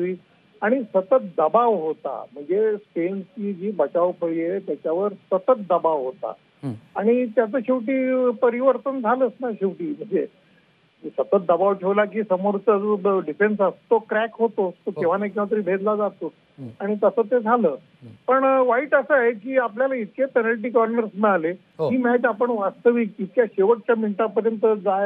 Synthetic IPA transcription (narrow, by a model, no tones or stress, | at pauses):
t̪ʋiː | aɽ̃isət̪ət̪̚d̪əbaʋɦot̪a̰m̤əɳd͡zespenst͡ɕiːd͡ʑiːbət͡ɕaʋpʰəɭiet̪jat͡ɕjaʋəɾsət̪ət̪̚d̪əbaʋɦot̪a̰ | aɽ̃it̪jat͡səːɕiʋʈ̬iːpəɾiʋəɾt̪ənd͡zʱaləːsnaɕiʋʈiːm̤əɳd͡ze | sət̪ət̪̚d̪əbaʋʈʰeʋlak̬iːsəmoɾt͡səɖifensəst̪okɾækɦot̪ot̪okeʋ̤anakat̪əɾiːbʱed̪lad͡zat̪o | aɽ̃it̪əsəːt̪ed͡zʱaləː | pəɳʋaiːʈəsəaɦekiːapljalait̪̚kepənəlʈ̬iːkanʋəɾsmɛɭale | ɦiːmait̪apəɳʋast̪əʋik̚it̪̚kjaɕeʋəʈ̚t͡ɕjamiɳʈapəɾjənt̪əd͡zaj